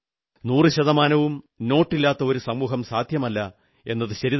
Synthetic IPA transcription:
nuːrɨɕɐðɐmaːnɐʋum | no̞ːʈːilːaːt̪ːɐo̞ɾusɐmːuːɦɐmsaːd̪ʱjɐmɐlːɐ | e̞nːɐðɨɕɐɾið

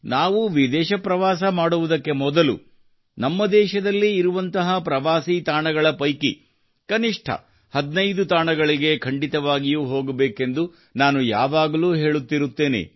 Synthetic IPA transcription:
naːʋuʋid̪ɛːʃɐpɾɐʋaːsɐmaːɽuʋud̪ɐkːe̞mɔd̪ɐlṵ | nɐmːɐd̪ɛːʃɐd̪ɐlːiːɾuʋɐnt̪ɐɦɐpɾɐʋaːsit̪aːɳɐɡɐɭɐpɐjkḭ | kɐniʂʈʰɐ̰ | hɐd̪nɐjd̪ut̪aːɳɐɡɐɭiɡe̞kʰɐɳɖit̪ɐʋaːɡijuːɦo̞ːɡɐbeːke̞nd̪u | naːnujaːʋaːɡɐluːɦe̞ːɭut̪ːiɾut̪ːe̞ːnḛ

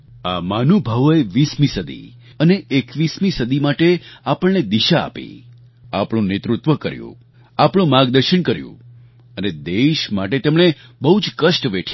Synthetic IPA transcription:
amanubʱaʋoeʋismĩsəd̪ḭ | əneʔːkʋismĩsəd̪imaʈeapəɭned̪iʃaa̰pḭ | apɽ̃ũnet̪ɾut̪ʋəkəɾjṵ̃ | apɽ̃ũmaɡd̪əɾʃəɳkəɾjṵ̃ | əned̪eʃmaʈet̪emɳ̃e | bəɦud͡ʒkəʃʈʋeʈʰ

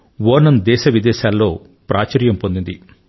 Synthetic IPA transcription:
ʋoːɾnɐnd̪ɛːʃɐʋid̪ɛːʃaːlːo̞ː | pɾʔaːt͡ʃɐɾjɐmpond̪ind̪i

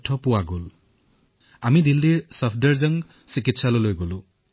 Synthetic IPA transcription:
tʰːɔpʊwaɡol | amidildiɹsɔpʰdəɹzəŋ | sikitsalolojɡolʊ̃

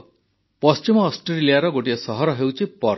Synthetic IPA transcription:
pʌst͡ʃimɔːsʈɾeɾiliaɾɔɡoʈiasʌɦɔɾɔɦewt͡ʃʰipɔɾ

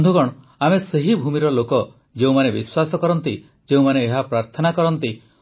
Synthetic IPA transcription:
d̪ʱuɡɔɽ̃ɔ | ameseɦibʱumiɾɔlokɔ | d͡ʒeũmanebiswasɔkɔɾɔnt̪i | d͡ʒeũmaneːɦapɾaɾt̪ʰɔnakɔɾɔnt̪i

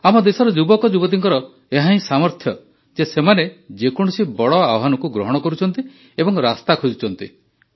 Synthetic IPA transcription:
amɔd̪esɔɾɔd͡ʒubɔkɔd͡ʒubɔd̪iŋkɔɾɔ | eɦaĩsamɔɾt̪ʰjɔ | d͡ʒesemaned͡ʒekɔɽ̃ɔsibɔɽɔabɔɦanɔkuɡɾɔɦɔɽ̃ɔkɔɾut͡ʃʰɔnt̪i | ebɔŋɾast̪akʰod͡ʒut͡ʃʰɔnt̪ḭ

